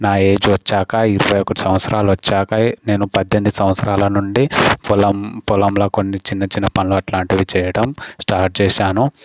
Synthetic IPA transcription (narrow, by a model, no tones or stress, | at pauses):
naːe̞ːd͡ʒuʋɐt͡ʃːaːkɐiɾuʋɐjokːɐɽusɐmʋɐt̪sɐɾaːluʋɐt͡ʃːaːkɐne̞ːnupɐd̪jend̪usɐmʋɐt̪sɐɾaːlɐnuɳɖipulɐmpulɐmlɐːkonːit͡ʃinːɐt͡ʃinːɐpɐnluɐʈlaːɳʈiʋit͡ʃɛːjɐɽɐmsʈaːɾʈ̚t͡ʃɛːʃaːnu